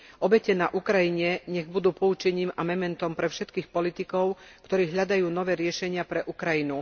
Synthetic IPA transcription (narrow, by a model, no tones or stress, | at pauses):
ʔɔbɛcɛnaʔukɾajiɲɛɲɛɣbud̪uːpɔut͡ʃɛɲiːmamɛmɛnt̪ɔmpɾɛfʃɛt̪kiːxpɔlit̪ikɔʊkt̪ɔɾiːɦʎad̪ajuːnɔʋɛːɾɪɛʃɛɲɪapɾɛʔukɾajinu